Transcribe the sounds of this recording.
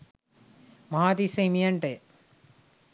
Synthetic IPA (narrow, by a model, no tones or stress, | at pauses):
mɐɦaːt̪isɐmijɐɳʈe